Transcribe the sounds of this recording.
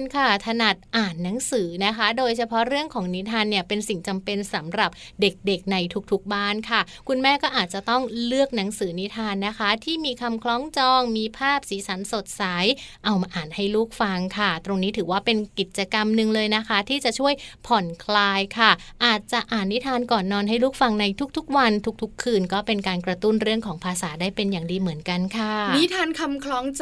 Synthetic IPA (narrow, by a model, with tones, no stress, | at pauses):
nkʰa˥˩t̪ʰa˧na˨˩t̪̚ʔaː˨˩nːa˩˦ŋsɯː˩˦na˦˥kʰa˦˥doː˧jsʰa˧pʰɔ˦˥ɾɯ˥˩əŋkʰɔː˩˦ŋni˦˥t̪ʰaː˧nːi˥˩əpe˧nsi˨˩ŋt͡ɕa˧mpe˧nsa˨˩˦mɾa˨˩p̚ | de˨˩k̚de˨˩k̚na˧jt̪ʰu˦˩k̚t̪ʰu˨˦˩k̚baː˥˩nkʰa˥˩ | kʰu˧nmɛː˥˩kɔː˥˩ʔaː˨˩t̪̚t͡ɕa˨˩t̪ɔ˥˩ŋlɯ˥˩ək̚na˩˦ŋsɯː˩˦ni˦˥t̪ʰaː˧nːa˦˥kʰa˦˥t̪ʰiː˥˩miː˧kʰa˧mkʰlɔː˦˥ŋt͡ɕɔː˧ŋmiː˧pʰaː˥˩p̚siː˩˦sʰa˩˦nso˨˩t̪̚sa˩˦jʔa˧wmaː˧ʔaː˨˩nha˥˩jluː˥˩k̚fa˧ŋkʰa˥˩t̪ɾo˧ŋniː˦˥t̪ʰɯː˩˦waː˥˩pe˧nki˨˩t̪̚t͡ɕa˧ka˧mnɯ˧ŋlɤː˧jna˦˥kʰa˦˥t̪ʰiː˥˩t͡ɕa˨˩ʔt͡ɕʰu˥˩əjpʰɔ˨˩nkʰlaː˧jkʰa˥˩ʔaː˨˩t̪̚t͡ɕa˨˩ʔaː˨˩nːi˦˥t̪ʰaː˧nkɔː˨˩nːɔː˧nɦa˥˩jluː˥˩k̚fa˧ŋna˧jt̪ʰu˦˥k̚t̪ʰu˦˥k̚wa˧nt̪ʰu˦˥k̚t̪ʰu˦˥kʰːɯː˧nkɔː˥˩pe˧nkaː˧nkɾa˧t̪u˥˩nɾɯ˥˩əŋkʰɔː˩˦ŋpʰaː˧saː˩˦daː˥˩jpe˧njaː˨˩ŋdiː˧mɯ˩˦ənka˧nkʰa˥˩n˦˥t̪ʰaː˧nkʰa˧mkʰlɔː˦˥ŋ